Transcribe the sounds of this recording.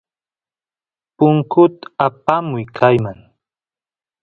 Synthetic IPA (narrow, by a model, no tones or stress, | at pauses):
pʊŋkʊt̪ḁapamʊjkʰajmaŋ